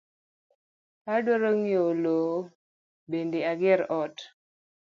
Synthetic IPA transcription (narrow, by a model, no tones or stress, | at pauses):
adwaɾoŋjolo | bendeaɡɪɾɔt